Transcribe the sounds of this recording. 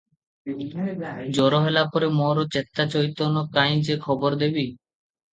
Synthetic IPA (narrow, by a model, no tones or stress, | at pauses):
d͡ʑɔɾoɦelapoɾemɔɾot͡ɕet̪ːat͡ɕoit̪onokaj̃d͡ʑekʰɔboɾd̪ebi